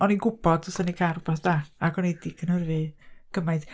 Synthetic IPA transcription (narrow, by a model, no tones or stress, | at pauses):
ɔninɡʊb̥ɔd̥ʊsanikʰaɾubaθd̥aːaɡɔnejdiɡʰənərvɨɡ̥əmajθ